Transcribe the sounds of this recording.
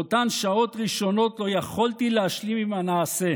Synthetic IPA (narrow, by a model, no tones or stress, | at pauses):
ot̪anʃao̞t̪ʁiʃo̞no̞tlo̞jaχoltilehaʃlimimanaːse̞